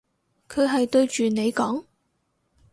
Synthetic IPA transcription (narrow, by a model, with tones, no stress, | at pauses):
kʰɵ˨˧ɦɐ˨jt̪ɵ˧ɥt͡ʃyː˨ne˨˧jkɔː˨˥ŋ